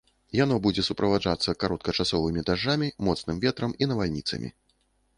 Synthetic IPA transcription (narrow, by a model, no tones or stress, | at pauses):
janɔbud͡zʲɛsupɾʔɐvad͡ʐat̪sːɐkaɾɔt̪kɐt͡ʂasɔvɨmʲid̪aʐːamʲimɔt̪snɨmvʲɛt̪ɾɐminɐvalʲnʲit̪sɐ̰mʲḭ